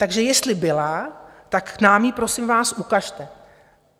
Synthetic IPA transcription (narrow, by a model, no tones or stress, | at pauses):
t̪aɡʒɛjɛst̪lɪbɪlat̪aknaːmjipɾo̞sɪmvaːsʔukaʃt̪ɛ